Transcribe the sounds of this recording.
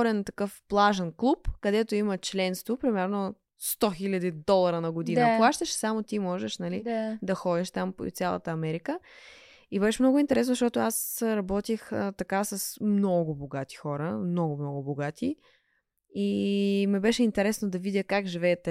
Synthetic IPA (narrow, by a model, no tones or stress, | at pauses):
ɾɛnt̪ɐkɤfplˠaʒənklˠupkɐd̪ɛt̪oimət͡ʃlɛnst̪vopɾimɛɾno | st̪ɔxilʲɐd̪id̪ɔlˠɐɾənɐɡʊd̪inəplˠaʃt̪əʃsamot̪imɔʒɛʃnɐlid̪ɐxɔd̪ʲiʃt̪ampt̪sʲjalˠɐ̰t̪əɐmɛɾikə | ibɛʃɛmnɔɡʊint̪ɛɾɛsnzʃt̪ɔt̪ʊasɾɐbɔt̪ixət̪ɐkasɐsmnɔɡʊboɡat̪i̥xɔɾəmnɔɡʊmnɔɡʊboɡat̪ʰi | imɛbɛʃɛint̪ɛɾɛsnod̪ɐvid̪ʲjəkakʒivɛːt̪ɛ